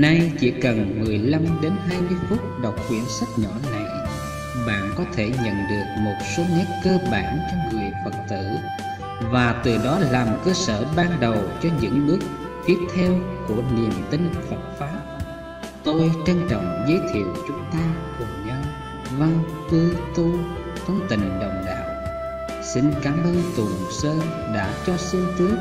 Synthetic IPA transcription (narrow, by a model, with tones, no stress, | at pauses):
na˧jt͡ɕḭ˧˩kə˨˩nmɨ˨˩əjla˧mɗe˨˦nɦaː˧jmɨ˧əjfu˦˥t̚ɗə˨˩wk͡p̚xwḭ˧˩ənsa˦˥k̚ɲɔ˧˩na˨˩j | ɓa̰ː˧˨nkɔ˨˦t̪ʰe˧˩ɲə̰˧˨nɗɨ˨˩ək̚mo˨˩t̚so˨˦ŋɛ˦˥t̚kəː˧ɓa̰ː˧˩nt͡ɕɔ˧wŋ͡mŋɨ˨˩əjfə˨˩k̚t̪ɨ̰˧˩˨ | vaː˨˩t̪ɨ˨˩ɗɔ˨˦laː˨˩mkəː˧sə̰ː˧˩ɓaː˧ŋɗə˨˩wt͡ɕɔ˧ɲɨ̰˧˥ŋnɨ˦˥ək̚ | fi˦˥əp̚t̪ʰɛ˧wku˧˩əli˨˩ənt̪ï˧ŋ̟fə˨˩t̚faː˨˦˥p̚ | t̪o˧jt͡ɕa˧ŋt͡ɕɔ̰˧˨wŋ͡mzə˨˦jt̪ʰḭ˧˨əwt͡ɕʊ˨˦ŋ͡mt̪aː˧kʊ˨˩ŋ͡mɲa˧w | va˧ŋ | t̪ɨ˧t̪u˧ | t̪ʰə˧wŋ͡mt̪ï˨˩ŋ̟ɗə̰˧˨˩wŋ͡mɗa̰ː˧˨w | sï˧ŋ̟kaː˨˦mʔəː˧nt̪u˨˩səː˧ | ɗa̰ː˧˥t͡ɕɔ˧sɨ˧əŋt̪ɨ˦˥ək̚